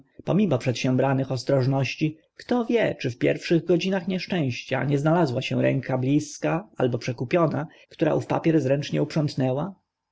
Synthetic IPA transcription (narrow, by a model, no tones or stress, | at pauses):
pɔmʲimɔpʂɛt̪ɕɛ̃bɾanɘxɔst̪ɾɔʐnɔɕt͡ɕi | kt̪ɔvʲjɛt͡ʂɘfpʲjɛ̰ɾfʂɘɣɡɔd͡ʑinaxɲɛʂt͡ʂɛ̃w̃ɕt͡ɕa̰ɲɛznalazwaɕɛ̃ɾɛ̰ŋkablʲiskaalbɔpʂɛkupʲjɔna | kt̪uɾa̰ʔufpa̰pʲjɛɾzɾɛnt͡ʂɲɛupʂɔnt̪nɛwa